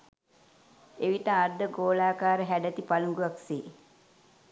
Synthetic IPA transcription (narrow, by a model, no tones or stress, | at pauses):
eʋit̪aːɾd̪əɡoːlaːkaːɾəɦæɖət̪ipaluŋɡuʋaksiː